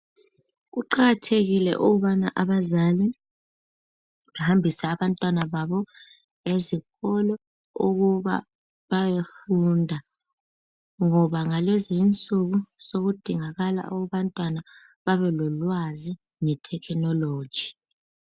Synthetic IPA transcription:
ɣuǃaɣatʰeɣilɛ̰ʔuɣuβana̰ʔaβazali | ŋahambʱisaːβantʼwanaβaβɔ | eziɣɔlɔ | uɣuβa̰ | βajefundʱa | ŋɔβaŋalezint͡sʼuɣuz̥oɣud̥ʱiŋaɣala̰ʔuɣuβantʼwana | βaβɛlɔlwazi | ŋɛtʰɛkʰnɔlo̥ːd͡ʒʒ̥ʱi̥

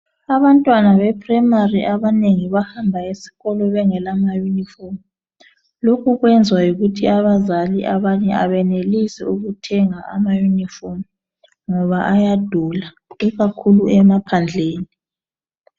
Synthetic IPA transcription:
aβantʼwanaβɛpʰʼrɛmariʔaβaneŋiβahambʱaesi̥ɣɔlɔβɛŋɛlamajunifom | lokʰuɣwɛnd͡zʱwajuɣutʰiaβazaliʔaβaɲɛa̰βɛnelisɛ̰uɣutʰɛŋaʔa̰majunifom | ŋɔβaʔajad̥ʱula | iɣakʰuluɛmapʰand͡ɮʱeːni

